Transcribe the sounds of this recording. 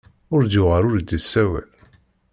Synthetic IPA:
ʊɾd̪ʊʁaɾʊɾd̪ːəsːæwæ̰l

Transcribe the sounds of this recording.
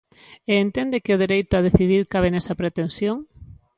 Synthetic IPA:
eːnt̪end̪ɪkɪʊð̞eɾejt̪ʊaðeθiðiɾkaβ̞enɛsɐpɾet̪ensjoŋ

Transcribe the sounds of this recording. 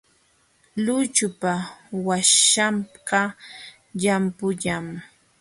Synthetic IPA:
lʊt͡ʃʊpawaʃamqa | ʎampʊʎam

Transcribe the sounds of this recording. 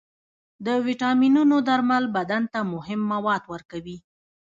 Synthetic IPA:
d̪əwiʈɑminunod̪aɾmalbad̪ant̪amʊhɪmːawɑd̪wəɾkawi

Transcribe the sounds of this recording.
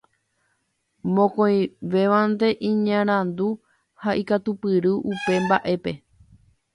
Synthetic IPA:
mõ̞kõj̃ʋe̞ʋand̪e̞ʔĩɲãɾ̃ãnd̪u | haʔikat̪upɨɾɨʔupe̞mbaʔe̞pe̞

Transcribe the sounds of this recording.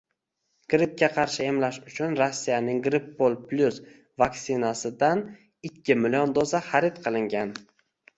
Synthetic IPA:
ɡ̥ɾɪp̚kʲːaqʰɑɾʃɪe̞mlaʃʊt͡ʃʰʊnɾasːijanɪŋɡɾɪpːolˠplʲus | vaksɪnasɪd̪an | ɪkʲʰːɪmɪlijond̪ozaχɑɾɪt̪qʰɨlˠɪŋɡʲan

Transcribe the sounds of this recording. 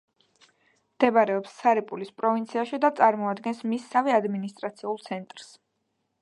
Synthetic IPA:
md̪̥ɛbaɾɛɔpsːaɾipʼulispʼɾɔvint̪sʰiaʃid̪at̪sʼaɾmɔad̪ɡɛnsmisːaviad̪minist̪ʼɾat̪sʰiulˠt̪sʰɛnt̪ʼɾs

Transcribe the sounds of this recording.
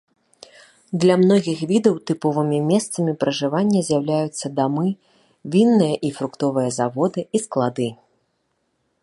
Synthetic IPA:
d̪lʲɐmnɔɣʲixvʲid̪ɐwt̪ɨpɔvɨmʲimʲɛst̪sɐmʲipɾɐʐɨvanʲːɐzʲjɐwlʲajut̪sːɐd̪amɨ | vʲinːɨjɐʔifɾukt̪ɔvɨjɐzavɔd̪ɨisklˠad̪ɨ

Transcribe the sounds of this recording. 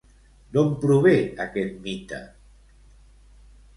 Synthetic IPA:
d̪ompɾuβeakɛt̪̚mit̪a̰

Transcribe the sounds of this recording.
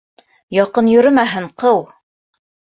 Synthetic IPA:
jɑqɤnjɵ̆ɾɵmæɦɘɴqɤw

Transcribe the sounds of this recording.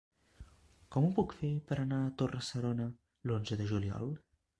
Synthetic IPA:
kɔmupukfepəɾənaət̪orəsəɾonə | lonzəðəʒuliɔ̰lˠ

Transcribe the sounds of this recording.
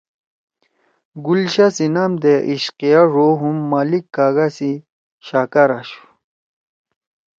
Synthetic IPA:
ɡulɕasinamd̪eʔiɕqijaʐoɦumːalikːaːɡasi | ɕakaɾaɕu̥

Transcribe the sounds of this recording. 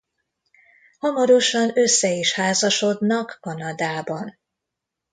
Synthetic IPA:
hɒmɒɾo̞ʃɒnø̞sːɛiʃhaːzɒʃo̞d̪nɒkːɒnɒd̪aːbɒn

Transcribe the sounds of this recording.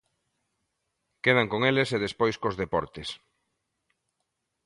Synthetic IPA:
keð̞aŋkoŋeleseðespojskozðepɔɾt̪es

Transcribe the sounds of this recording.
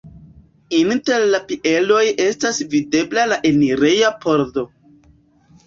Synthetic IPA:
inte̞ɾlapie̞lo̞je̞stasvide̞blalaʔeniɾe̞japʰo̞ɾdo̞

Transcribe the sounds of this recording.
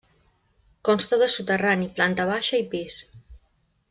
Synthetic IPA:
kɔnst̪əðəsut̪əraniplant̪əβ̞aʃəipis

